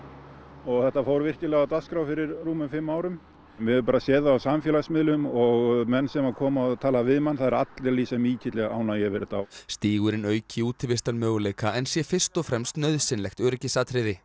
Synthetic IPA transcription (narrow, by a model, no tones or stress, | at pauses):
ɔɣθɛht̪afoːwɾvɪr̥cɪlɛɣawt̪askɾawfɪɾɪɾːuːmʏmfɪmːaːwɾʏm | mɛɛɾpaːɾasɛːðaawsamfjɛlasmɪðlʏmɔɣmɛnːsɛmakʰɔːmaðt̪ʰaːlavɪðmanθaðɛɾa̰t̪lɛɾliːsɛmiːcʰɪt̪lɛɣa̰ːwnajɛvɛɾɪt̪a̰st̪iːɣʏɾɪnœːɥcɪuːt̪ʰɪlvɪst̪anmœːɣʏleːjkaʔɛnsjɛfɪr̥st̪ɔfɾɛmst̪nœɥðsɪnlɛxt̪œɾɛcɪsaːt̪ʰɾɪðɪ